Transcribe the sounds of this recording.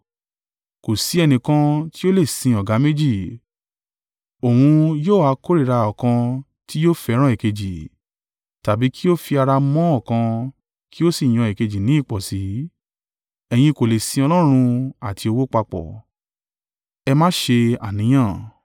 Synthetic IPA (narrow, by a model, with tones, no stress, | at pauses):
ko˨si˨˦ɛ˧nĩ˨kã˧˦ti˦o˦le˦˨sĩ˧ɔ˨ɡa˨˦me˦d͡ʒi˦˨ | o˨hũ˧joː˦˨a˧ko˦ɾi˦˨ɾa˧ɔ˨kã˧ | ti˦jo˦fɛ˧˦ɾ̃ã˦ɛ˨ke˧d͡ʒi˨ | ta˨bi˨˦ki˦o˦fi˧a˧ɾa˧mɔ̃˦ɔ˦˨kã˧ | ki˦o˦si˦˨j̃ɔ̃˨˧ɛ˨ke˧d͡ʒi˨nĩ˨˦i˦˨k͡pɔ˨si˨˦ | ɛ˧j̃ĩ˧ko˨le˨sĩ˧ɔ˧lɔ˦ɾ̃ũ˧a˨ti˧o˧wo˦k͡pa˧k͡pɔ̰˨ | ɛ˧mã˦ʃe˧a̰˨nĩ˨˦j̃ã˦˨